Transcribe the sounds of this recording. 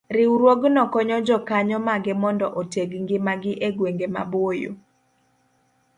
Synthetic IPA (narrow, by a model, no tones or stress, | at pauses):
ɾɪwɾwoɡnɔkɔɲɔd͡ʒɔkaɲɔmaɡɪmɔndɔʔoteɡŋɡɪmaɡɪʔeɡweŋɡema̰bojo̰